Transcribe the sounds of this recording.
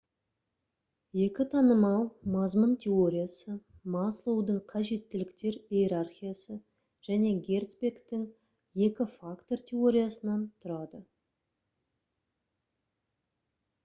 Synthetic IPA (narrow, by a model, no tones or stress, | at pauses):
je̞kʲɪt̪ʰɑnəmɑlˠmɑzmənt̪ʲʰe̞o̞ɾʲijasə | mɑslˠowd̪əɴqʰɑʒe̞t̪ːɪlɪkt̪e̞ɾijeɾarχʲijasə | ʒ̥æne̞ɡʲe̞rt̪spʲe̞kt̪ɪŋ | je̞kʲɪfakt̪o̞rt̪ʲʰe̞o̞ɾʲijasənɑnt̪ʰʊɾɑd̪ə